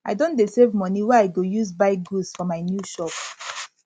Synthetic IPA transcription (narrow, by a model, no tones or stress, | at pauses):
ʔaɪdõntdesevmɔniwɛaɪɡojuzbaɪɡusfɔmaɪnjuʃɔp